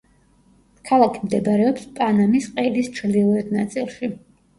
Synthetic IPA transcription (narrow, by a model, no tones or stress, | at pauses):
kʰalˠakʰimd̪ɛbɾɛɔpspʼanamisqʼɛd̪ist͡ʃʰɾd̪ilˠuɛd̪nat̪sʼilˠʃi